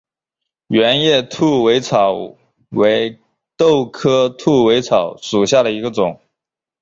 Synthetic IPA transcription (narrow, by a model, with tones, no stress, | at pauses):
ɥɛ˧˥njɛ˥˩t̪ʰu˥˩we˧˥ɪt͡sʰɑ˨˩˦ʊ | we˧˥ɪ | t̪o˥˩ʊkʰɤ˥t̪ʰu˥˩we˧˥ɪt͡sʰɑ˨˩˦ʊʂu˨˩ɕja˥˩ɾə˩i˧˥ɡə˧t͡sʊ˨˩˦ŋ